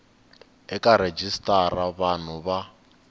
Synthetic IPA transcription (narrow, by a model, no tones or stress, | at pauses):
ɛkaɾed͡ʒistʼaɾaβan̤uβa